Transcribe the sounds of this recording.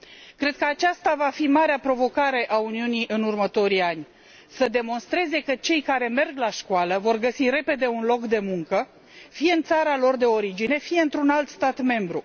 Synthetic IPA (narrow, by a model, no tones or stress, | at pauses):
kɾe̞d̪̚kəat͡ʃast̪avafimaɾeapɾo̞vo̞kaɾe̞ʔauniuniʔɨnurmət̪o̞ɾianʲ | səd̪e̞mo̞nst̪ɾe̞ze̞kət͡ʃe̞jkaɾe̞me̞rɡlaʃkoaləvo̞rɡəsiɾe̞pe̞d̪e̞unlo̞kd̪e̞muŋkə | fijeɨnt̪saɾalo̞rd̪e̞o̞ɾid͡ʒine̞fije̞ɨnt̪ɾunalt̪st̪at̪me̞mbɾu